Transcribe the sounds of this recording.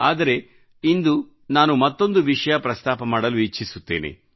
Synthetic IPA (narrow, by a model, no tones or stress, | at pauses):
aːd̪ɐɾe̞ | ind̪u | naːnumɐt̪ːo̞nd̪uʋiʂɐjɐpɾɐst̪aːpɐmaːɽɐluit͡ʃːisut̪ːe̞̰ːnḛ